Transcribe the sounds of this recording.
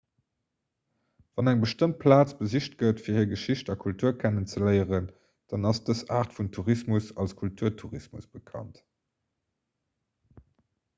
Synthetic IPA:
v̥ɑnæŋbəʃtəmt̚pʰlaːt͡sb̥əziɕt̚ɡətfiːɐhiːɐɡəʃiɕtɑkʰultʰuːɐkʰænənt͡səlɜɪəʁən | d̥ɑnɑsd̥əsaːʁtfuntʰuʁismusɑlskʰultʰuːɐtʰuʁismṵsb̥əkʰɑ̰nt

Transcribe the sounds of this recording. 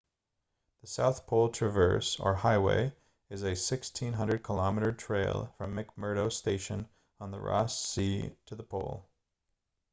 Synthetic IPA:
ðəsaʊθpʰoʊlˠtʰɹ̥ɨvɜ̰˞sə̰˞haɪwḛɪ | ɨzɨsɪkstʰĩnɦʌ̃ndɹəd̚kʰəlɑmɨɾə˞tʰɹ̥eɪlˠfɹʌ̃mːɪk̚mɜ˞ɾoʊsteɪʃɨ̃n | ə̃nðə̰ɹɑ̰siɾɨðəpʰo̰ʊlˠ

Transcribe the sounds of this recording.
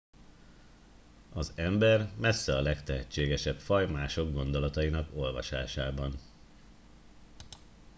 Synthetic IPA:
ɒzɛmbɛrmɛsːɛɒlɛkt̪ɛɦɛt͡ʃːeːɡɛʃɛpfɒjmaːʃo̞ɡɡo̞nd̪o̞lɒt̪ɒinɒko̞lvɒ̰ʃa̰ːʃaːbɒn

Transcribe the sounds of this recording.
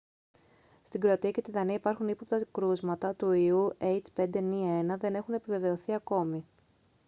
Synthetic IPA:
st̪iɡɾo̞ɐt̪iɐce̞t̪iðɐniɐipɐɾxunipo̞p̚t̪ɐkɾuzmɐt̪ɐt̪uiuʔejt͡spe̞nd̪enie̞nɐðe̞ne̞xune̞pive̞ve̞o̞θiɐko̞mi

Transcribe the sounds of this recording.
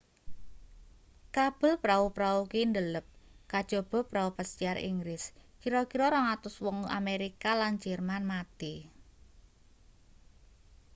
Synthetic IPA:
kab̥ə̤lpɾaupɾaukind̪ələp̚kad̥ʒ̥ɔ̤b̥ɔ̤pɾaupasiaɾʔḭŋɡɾɪskiɾɔkiɾɔɾɔŋat̪ʊswɔŋa̰meɾikalan̥d͡ʒ̥ɛrmanmat̪i

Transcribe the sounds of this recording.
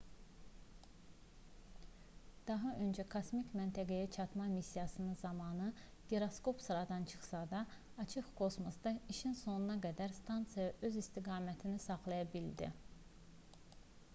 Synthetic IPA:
d̪̥ɑɦɑø̞nd͡ʒækʰosmicʲmænt̪ʰæɡæjæt͡ʃʰɑt̪mɑmisːijɑsɯnɯzɑmɑnɯ | ɡ̥eɾosko̞psɾɑd̪ɑnt͡ʃʰɯ̥χsɑd̪ɑː | t͡ʃʰɯχkʰo̞smosd̪ɑiʃinso̞nunɑɡæd̪æɾst̪ʰɑnt̪sijɑʔøzist̪iɡɑːmæt̪ʰinisɑχlˠɑjɑbild̪ḭ

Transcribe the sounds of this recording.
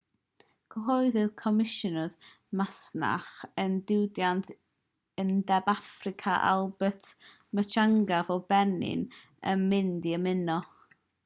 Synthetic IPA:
ɡ̥ʰəɦɔjðɨðkʰɔmɪʃɔnʊð | masna̰χəndɪwdjantʰ | əndɛbafrɪkʰaʔa̰lˠbətʰmət͡ʃʰaŋɡavɔbɛnɪ̰n | ə̰mɪndiəmɪnɔ

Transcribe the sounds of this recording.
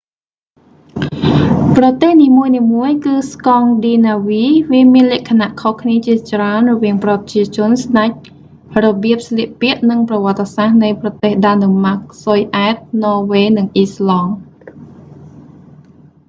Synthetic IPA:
prɑt̪eːhniːmuəjniːmuəjkɨːskɑŋɗiːnaːʋiːʋiəmiənlɛ̆əʔkʰanaʔkʰohkʰniət͡ɕiət͡ɕraənrɔʋiəŋprɑt̪̚t͡ɕiət͡ɕʊ̆ənsɗac̚ | rɔɓiəp̚sliəʔpiəʔnɨŋprɑʋŏət̪ːesahnɨjprɑt̪eːhɗaːnomak̚sojʔaɛt̪̚nɔːʋeːnɨŋʔiːslɑŋ

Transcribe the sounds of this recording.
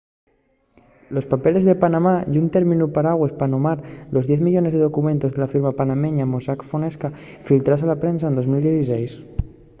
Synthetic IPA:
lospapelezðepanamajunt̪eɾminupaɾaɣwespanomaɾlo̞zðjɛθmiʎonezðeðokument̪ozðelafiɾmapanameɲamosakfoneska | filt̪ɾasalapɾensaend̪ozmild̪jeθisɛjs

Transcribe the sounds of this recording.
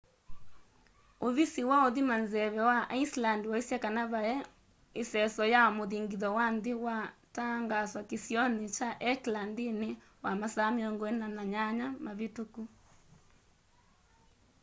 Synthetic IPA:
oβisiwaoðimanzɛβɛwaʔaislandiwaisjakanaβaɛ | esɛsɔjamoðiŋɡiðɔwandewataŋɡaswakesjɔnit͡ʃaʔɛklandine | wamasameɔŋɡɔɛnanaɲaɲamaβetuku

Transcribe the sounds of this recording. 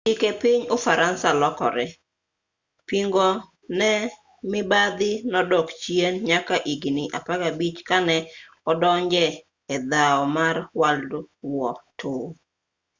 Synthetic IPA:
ikepɪɲofaɾansalɔkɔ̰ɾɛ | piŋɡɔ | nɛ | mɪbad̪ɪnɔdɔkt͡ʃienɲakaʔiɡinɪʔa̰paɡabit͡ʃkanɛ | ɔdɔɲd͡ʒɛ | ɛd̪aɔmaɾwaldwɔtʰʊ

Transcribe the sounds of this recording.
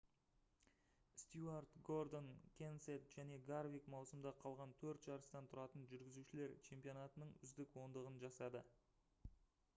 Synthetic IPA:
st̪juard̪ɡo̞rd̪o̞nkʲʰenset̪ʒ̥æne̞ɡarvijkmɑwsəmd̪ɑqʰɑlˠʁɑnt̪ʰɵɾt̪ʒ̥ɑɾəst̪ɑnt̪ʰʊɾɑt̪ənʒʏɾɡʲɪzuʃɪle̞ɾt͡ʃʰe̞mpijo̞nat̪ənəɴʏ̰zd̪ɪkwo̞nd̪əʁənʒɑsɑd̪ə

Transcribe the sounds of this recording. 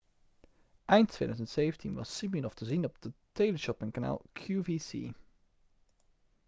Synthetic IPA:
ʔɛjntʰːʋḛːdœzəntsejvəntʰinʋɑ̰sːiminɔftəzinɔb̚d̥əteləʃɔpɪŋkana̰ːlˠkʰjuvisḭ

